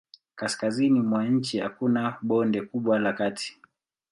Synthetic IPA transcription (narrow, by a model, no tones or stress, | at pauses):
kaskazinimwaɲ̩t͡ʃiha̰kunaɓɔndɛkuɓwalakati̥